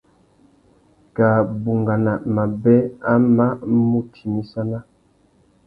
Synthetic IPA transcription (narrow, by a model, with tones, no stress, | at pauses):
ka˨bu˨ŋɡa˨na˨ma˨bɛ˦a˦ma˦mu˦tʰi˨mi˦sa˦na˦